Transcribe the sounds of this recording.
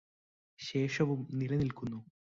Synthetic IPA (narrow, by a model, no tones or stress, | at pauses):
ɕe̞ːʂɐʋumnilɐnilkunːu